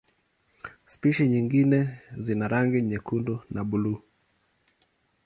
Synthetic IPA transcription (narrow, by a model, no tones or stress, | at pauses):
spiʃiɲiŋɡinɛzinaɾaŋɡiɲɛkundunaɓulu